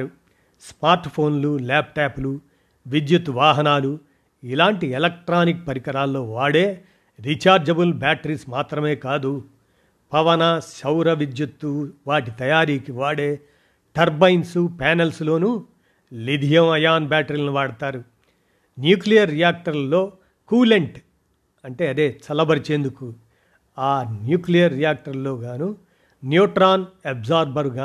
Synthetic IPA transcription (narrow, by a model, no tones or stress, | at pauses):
ɾu | smaːɾʈpʰo̞ːnlulaːp̚ʈaːpulu | ʋid̪jut̪ʋaːɦɐnaːlu | ilaːɳʈielɐk̚ʈɾaːnik̚pɐɾikɐɾaːlːo̞ːʋaːɽeː | ɾit͡ʃaːɾd͡ʒɐbulbaːʈɐɾiːsmaːt̪ɾɐme̞ːkaːd̪u | pɐʋɐnɐsɐwɾɐʋid͡ʒ̪jut̪ːuʋaːʈit̪ɐjaːɾiːkiʋaːɽeː | ʈɐɾbɐjnsupɛːnelslo̞ːnu | lid̪ʱijɐmɐjaːnbʲaːʈɐɾiːlɐnuʋaːɽɐt̪aːɾu | njuːklijɐɾːijaːk̚ʈɐɾlo̞ː | kuːleɳʈ | ɐɳʈe̞ːɐd̪e̞ːt͡ʃɐlɐbɐɾt͡ʃeːnd̪uku | aːnjuːklijɐɾːijaːk̚ʈɐɾlo̞ːɡaːnu | njuːʈɾaːnebzaːɾbɐɾɡaː